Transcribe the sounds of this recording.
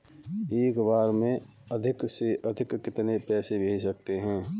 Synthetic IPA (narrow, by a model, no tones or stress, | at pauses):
eːkbaːɾmẽ | ɐd̪ʱɪkseʔɐd̪ʱɪkːɪt̪nepɛːsebʱesɐkt̪eɦɛ̃ː